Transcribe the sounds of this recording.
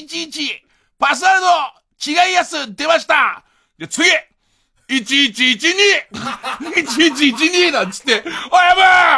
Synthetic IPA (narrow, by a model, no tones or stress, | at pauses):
it͡ɕiːt͡ɕi | pas̬ɨaɾɯd̪o | t͡ɕiɡaijasɨd̪e̞maɕi̥t̪a | d̪e̞t͡sɨɡʲi | it͡ɕiːt͡ɕiːt͡ɕiɲʲi | it͡ɕiːt͡ɕiːt͡ɕiɲʲinãnt͡sɨ̥t̪ːe̞ojaba